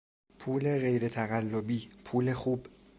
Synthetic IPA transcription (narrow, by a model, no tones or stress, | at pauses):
pʰuːle̞ɣe̞jɾe̞t̪ʰæɣælːobiːpʰuːle̞xuːb̥